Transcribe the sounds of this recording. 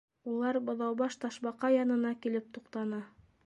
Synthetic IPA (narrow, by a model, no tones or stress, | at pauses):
ulˠɑɾbŏðɑwbɑʃt̪ɑʃbɑqɑjɑnɤ̆nɑkilɘp̚t̪uqt̪ɑnɑ